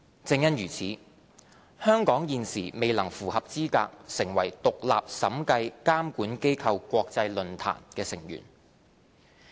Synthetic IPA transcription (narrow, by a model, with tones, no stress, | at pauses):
t͡sɪ˧ŋjɐ˥njyː˨˩t͡sʰiː˨˥ | hœː˥ŋkɔː˨˥ŋjiː˨˧nsiː˨˩me˨jlɐ˨˩ŋfuː˨˩hɐ˨p̚t͡siː˥ka̰ː˧k̚sɪ˨˩ŋwɐ˨˩jt̪ʊ˨k̚la̰ː˨p̚sɐ˨˥mkɐ˧jkaː˥mkuː˨˥nke˥jkʰɐ˧wkʷɔː˧k̚t͡sɐ˧jlɵ˨˧nt̪ʰa̰ː˨˩nkɛː˧sɪ˨˩ŋjy̰ː˨˩n